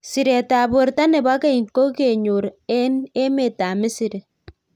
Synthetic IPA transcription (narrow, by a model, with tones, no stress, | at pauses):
si˨ɾe˨ta˨bo˨ɾta˦ne˨ba˦ke˦i˨ŋ˨ko˦ke˨ɲu˨ɾne˦me˨ta˨mɪ˦si˨ɾe˨